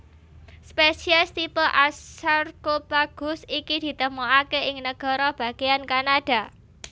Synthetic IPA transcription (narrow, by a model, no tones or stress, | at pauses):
spesiast̪ipoʔasarɡ̥opaɡ̥ʊ̤sikid̪̥i̤t̪əmoakeɪŋnəɡ̥ɔ̤ɾɔb̥a̤ɡeankanaɖ̥a̤